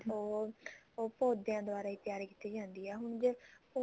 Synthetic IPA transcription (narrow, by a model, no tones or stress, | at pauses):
oːoːpoːd̪ejãːd̪oaːɾaːiːt̪jaːɾkiːt̪iːd͡ʒãːnd̪iːɛːɦʊɳd͡ʒepo